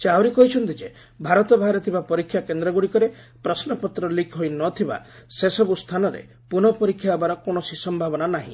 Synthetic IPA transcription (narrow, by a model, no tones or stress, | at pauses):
t͡ʃawɾikɔɦit͡ʃʰɔnt̪id͡ʒe | bʱaɾɔt̪ɔbʱaɦaɾɔt̪ʰibapɔɾikʰːjakend̪ɾɔɡuɽikɔɾe | pɾɔsnɔpɔt̪ɾɔlikʰɦojnɔt̪ʰiba̰sesɔbust̪ʰanɔɾḛ | punɔpɔɾikʰːjabaɾɔkoɳ̃ɔsisɔmbʱabɔnanaɦḭ̃